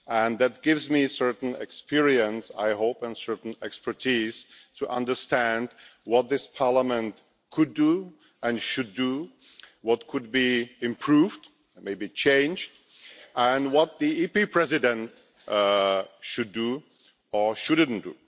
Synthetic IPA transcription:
ʔə̃nðɨt̚ɡ̥ɪvzmisɜ˞ʔn̩ɛ̰kspʰɪɹiɨ̃nsa̰ɪɦoʊpə̃nsɜ˞tn̩ɛkspə˞tʰiz̥ | tʰuʔʌ̰̃ndə˞stæ̃ndwʌt̪̚ðɪspʰɑɹləmə̃nt | kʰʊdu | ɨ̃nʃɨdɨ | wʌt̚kʰʊd̚biɨ̃mpʰɹ̥uvd | meɪbit͡ʃʰẽɪ̃nd͡ʒd | ə̃nwʌt̪̚ðiipipʰɹ̥ɛzɨdɨ̃nt | ʃɨdu | ə˞ʃʊdɪdⁿn̩d̥ṵ

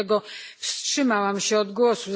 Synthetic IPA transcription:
ɛɡɔfst̪ʂɨmawamɕɛɔd̪ɡwɔsuz

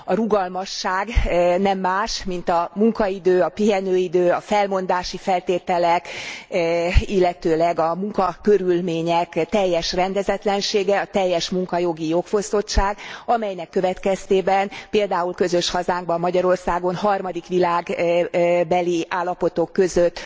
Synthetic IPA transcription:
ɒɾuɡɒlmɒʃːaːɡnɛmːaːʃmint̪ɒmuŋkɒid̪øːɒpiɦɛnøːid̪øːɒfɛlmo̞nd̪aːʃifɛlt̪eːt̪ɛlɛk | ilːɛt̪øːlɛɡɒmuŋkɒkø̞ɾylmeːɲɛkt̪ɛjːɛʃrɛnd̪ɛzɛt̪lɛnʃeːɡɛɒt̪ɛjːɛʃmuŋkɒjo̞ɡijo̞kfo̞st̪o̞t͡ʃːaːɡɒmɛjnɛkːøvɛt̪kɛst̪eːbɛnpeːld̪aːulkø̞zø̞ʃhɒzaːŋɡbɒmːɒɟɒɾo̞rsaːɡo̞nɦɒrmɒd̪ikʋilaːɡ | bɛliʔaːlːɒpo̞t̪o̞kːø̞zøt̪ː

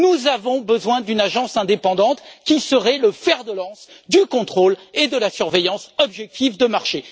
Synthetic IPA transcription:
nuzavɔ̃bəzwɛ̃d̪ynaʒɑ̃sɛ̃d̪epɑ̃d̪ɑ̃t̪kʲisəʁɛləfɛʁd̪əlɑ̃sd̪ykɔ̃t̪χoled̪əlasyʁvejɑ̃sɔbʒɛk̚t̪ivd̪əmaʁʃe

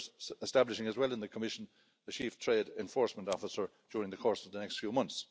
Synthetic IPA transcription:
zɪstablɪʃɪ̃ŋəzwɛlˠɪ̃nðəkʰəmɪʃə̃n̩ | ðət͡ʃʰiftʰɹ̥eːdɛ̃nfɔɹsmə̃ntɔfɪsə˞d͡ʒ̥ʊɹɪ̃ŋðəkʰɔɹsəvðənɛkstfjumʌ̃nθs

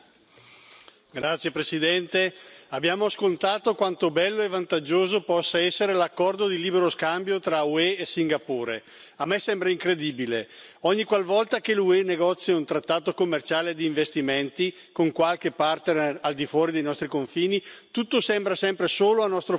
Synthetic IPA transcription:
ɡɾat̪sːjepɾesid̪ɛnt̪eabjaːmoaskolt̪aːt̪okwant̪obɛlːoɛvant̪ad͡ʒoːzopɔsːaɛsːeɾelakːɔrd̪od̪iliːbeɾoskambjot̪ɾauɛːsiŋɡapoːɾe | amːesɛmbɾaiŋkɾed̪ibileɔɲːikwalvɔlt̪akeluɛneɡɔt̪sːjaunt̪ɾat̪ːaːt̪okomːert͡ʃaːled̪iːɱvest̪iment̪i | koŋkwalkepːart̪nerald̪ifwɔːɾid̪ejnɔst̪ɾikoɱfiːnit̪ut̪ːosɛmbɾasɛmpɾesoːloanːɔst̪ɾo

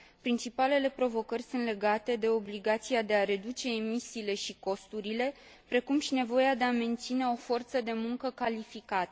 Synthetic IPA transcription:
pɾint͡ʃipale̞le̞pɾo̞vo̞kərʲsunt̪le̞ɡat̪e̞d̪e̞o̞bliɡat̪siad̪e̞aɾe̞d̪ut͡ʃe̞ːmisiːle̞ʃiko̞st̪uɾile̞ | pɾe̞kumʃine̞vo̞ead̪e̞ame̞nt̪sine̞o̞fo̞rt̪səd̪e̞muŋkəkalifikat̪ə

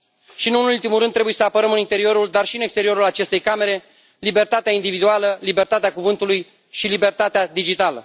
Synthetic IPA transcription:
ʃiɨnɨnult̪imulrɨnt̪ːɾebuje̞səapəɾəmɨnint̪e̞ɾio̞ɾuld̪arʃiɨne̞kst̪e̞ɾio̞ɾulat͡ʃe̞st̪e̞jkame̞ɾe̞ | libe̞rt̪at̪eaind̪ivid̪ualəlibert̪at̪eakuvɨnt̪uluj | ʃilibe̞rt̪at̪ead̪id͡ʒit̪alə̰

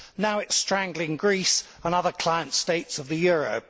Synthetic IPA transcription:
naʊɪtstɹ̥æ̃ŋɡl̩ɪ̃ŋɡɹiˑs | ə̃nʌðəkʰl̥aɪə̃ntsteɪtsəvðəjɔːɹəʊ

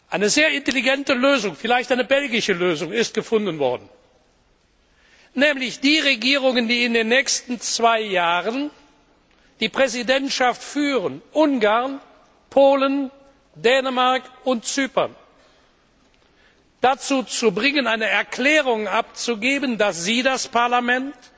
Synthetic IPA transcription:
ʔaɪnəzeːɐɪnteliɡɛntəløːzʊŋfɪlaɪçtaɪnəbɛlɡɪʃəløːzʊŋɪst̚ɡ̥əfʊndn̩vɔɐdn̩ | nɛːmlɪçd̥iːʁeɡiːʁ̞ʊŋəndiːɪndeːnːɛːçstn̩t͡sv̥aɪjaːʁən | d̥iːpʁ̥ɛzidɛntʃaftfyːʁənʔʊnɡaɐn | pʰoːlən | d̥ɛːnəmaɐkʊnt̚t͡syːpɐ̰n | d̥at͡suːt͡subʁɪŋənaɪnəɛɐkl̥ɛːʁ̞ʊŋap̚t͡suɡeːbəndasz̥iːdaspaɐlamɛnt

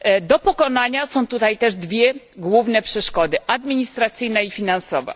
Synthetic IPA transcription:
d̪ɔpɔkɔnaɲasɔ̃w̃t̪ut̪ajt̪ɛʐd̪vʲɛ | ɡwuvnɛpʂɛʂkɔd̪ɘad̪mʲiɲist̪ɾat̪sɘjnɛifʲinansɔva̰

